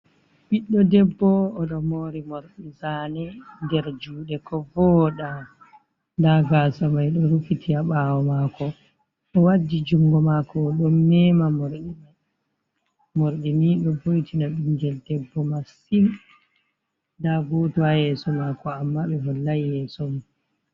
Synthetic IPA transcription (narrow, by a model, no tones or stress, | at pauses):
ɓiɗːɔdɛbːɔːɗɔmoɾimoɾɗisanɛndɛɾd͡ʒuːɗɛkɔvɔɗa | ndaɡasamajɗɔɾufitʰiaɓawɔmakɔ | ɗɔwadːid͡ʒuŋɡɔmakɔːɗɔmːɛmamoɾɗima | moɾɗimiɗɔvojtʰinaɓiɲd͡ʒɛldɛbːɔmasin | daɡotuhajɛsɔmakɔamːaɓɛvɔlːajjɛsɔmi